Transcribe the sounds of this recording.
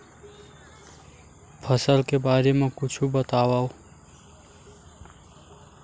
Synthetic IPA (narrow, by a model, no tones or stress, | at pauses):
pʰʌsʌlkebaɾemakut͡sʰubʌt̪awaw